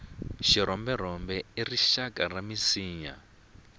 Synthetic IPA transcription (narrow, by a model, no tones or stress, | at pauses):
ʃiɾɔmbɛɾ̤ɔmbɛiriʃakʼaramisiːɲa̰